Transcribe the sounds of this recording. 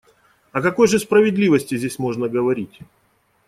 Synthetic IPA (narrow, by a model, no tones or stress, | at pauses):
ɐkɐko̞jʐɨspɾəvʲɪd̪lʲivəsʲtʲɪzʲdʲesʲmo̞ʐnəɡəvɐɾʲitʲ